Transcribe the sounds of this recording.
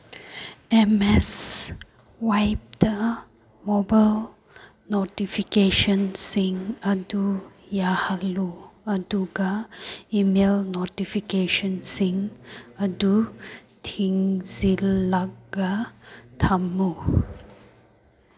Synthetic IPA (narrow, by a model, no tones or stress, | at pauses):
ɛmɛs | wajp̚də | mobal | notifikeʃə̃nsĩŋədujahaluəduɡaimelnotifikeʃə̃nsĩŋədu | tʰĩŋzilaɡatʰamu